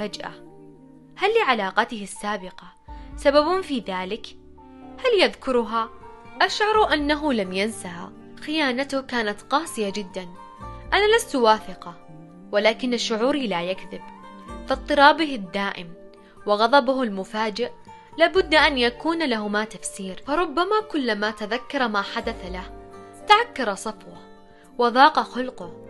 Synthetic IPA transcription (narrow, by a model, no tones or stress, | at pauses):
fad͡ʒʔa̰ | halːɪʕalaːqɑt̪ɪhɪsːaːbɪqɑ | sababʊfiːðaːlɪk | haljaðkʊɾʊɦaʔaʃʕɑɾˤʔanːaɦʊlamjansaha̰ | xɪjaːnat̪ʊhkaːnat̪qɑːsˤɪjad͡ʒɪd̪ːan | ʔanalast̪waːθɪqɑ | walaːkɪnːaʃːʊʕuːɾilaːjakðɪb | fɪt̪ˤːɨɾˤɑːbɪhɪd̪ːaːʔɪm | wɪɣɑðˤɑbʊhʊlmʊfaːd͡ʒɪʔ | laːbʊd̪ːaʔanjakuːnlaɦʊmaːt̪afsiːɾfɑɾˤʊbːamaːkʊlːamaːt̪aðakːɑɾˤmaːħad̪aθalaht̪aʕakːɑɾˤɑsˤɑfwɑh | wɑðˤɑːqɑxʊlqʊh